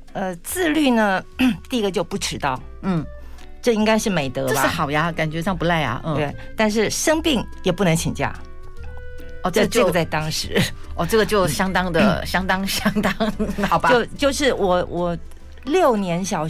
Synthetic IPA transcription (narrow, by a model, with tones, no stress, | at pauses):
ə˧t͡sɹ̩˥˧ly˥˩nə˩˥t̪i˥˩i˥ɡə˧t͡ɕjo˥˧ʊpu˥˩ʈ͡ʂʰɻ̩˧˥t̪ɑ˥˩ʊ | n̩˥˩ | ʈ͡ʂɤ˥˩i˥ŋka˥ɪʂɻ̩˥˩me˨˩ɪt̪ɤ˧˥lɐ˥˩xɑ˨˩ʊja˧˦ka˨˩nt͡ɕɥɛ˧˥ʂɑ˥˩ŋpu˧˥la˥˩ɪɐ̰˩˥˩we˥˩ɪt̪a˥˧nʂ̬ɻ̩˥˩ʂɤ˥ŋpi˥˩ŋjɛ˨˩pu˥˩nɤ˧˥ŋt͡ɕʰi˨˩ŋt͡ɕja̰˥˩˥ | t͡ɕɤ˥˧ɡə˩t͡sa˥˩ɪt̪ɑ˥ŋʂɻ̩˧˥ɔ˥˩ʈ͡ʂɤ˥˩ɡə˩t͡ɕjo˥˩ʊɕjɑ˥ŋt̪ɑ˥ŋd̪ə˨ɕjɑ˥ŋt̪ɑ˥ŋɕjɑ˥ŋt̪ɑ˥ŋɑ˨˩bat͡ɕjo˥˧ʊt͡ɕjo˥˧ʊʂɻ̩˥˩wɔ˨˩˦wʔɔ˨˩ | ljo˥˩ʊnjɛ˧˥nɕjɑ˨˩ʊ